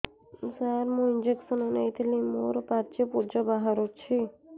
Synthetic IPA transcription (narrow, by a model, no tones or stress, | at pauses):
saɾmũind͡ʒeksɔnɔnejt̪ʰilimoɾopat͡ʃepud͡ʒɔbaɦaɾot͡ʃʰi